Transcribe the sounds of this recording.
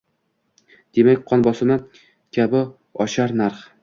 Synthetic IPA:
d̪̥emakʲqʰɒnbɒsɪmɪ | kʲʰabɪ | ɒʃaɾnaɾχ

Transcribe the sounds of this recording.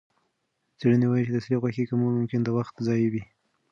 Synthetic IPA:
t͡seɽənewajit͡ʃed̪əslixwaxikamʊmʊmkɪnd̪əwaxt̪zɑjwi

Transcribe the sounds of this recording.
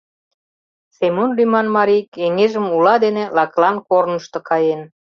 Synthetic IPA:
semonlʲymɑnmɑɾijkeŋeʒəmulɑd̪enĕlɑklɑnkornəʃt̪ɤ̆kɑjen

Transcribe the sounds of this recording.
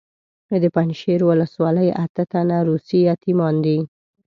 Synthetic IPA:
d̪əpanʃeɾwʊləswɑləjat̪ət̪anaɾusijɑt̪imɑnd̪i

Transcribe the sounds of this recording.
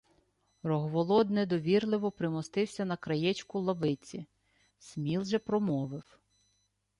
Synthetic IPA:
rɔɦʋɔlˠɔd̪nɛd̪ɔʋʲirlˠɪʋɔpɾɪmɔst̪ɪwsʲɐnɐkɾɐjɛt͡ʃkʊlˠɐʋɪt͡sʲi | sʲmʲilˠʒɛpɾɔmɔʋɪw

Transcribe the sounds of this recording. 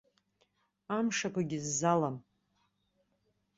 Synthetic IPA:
amʂakʷʰaɡʲɪzːalam

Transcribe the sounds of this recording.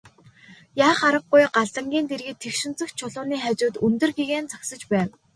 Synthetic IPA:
jaːχaɾə̆qːʊjɢaɮt͡sə̆ŋɡʲiːnt̪erɣĕt̪ʰːekʃɪ̆nt͡sɘ̆xt͡ɕʰʊɮʊːniːχat͡ɕʊːt̪ɵnt̪ɵ̆rɡiɣeːnt͡saksə̆t͡ɕpæːw

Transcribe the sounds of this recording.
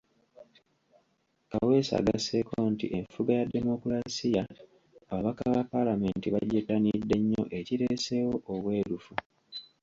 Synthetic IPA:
kawe̞ːsa̰ːɡase̞kontḭʔe̞ɱfuɡajade̞mo̞kuɾasijaː | βaβakaβapːalame̞ntiβaɟetːanidːe̞ɲːo̞̰ʔe̞ciɾe̞ːse̞wo̞ʔoβwe̞ːɾufu

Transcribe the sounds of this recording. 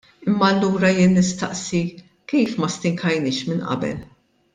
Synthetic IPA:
ɪmːɐːlːuːɾɐjɪːnːɪst̪ɐ̰ʔsi | kiːfmɐst̪ɪŋkʰɐjnɪːʃmɪnʔɐ̰bɛ̰l

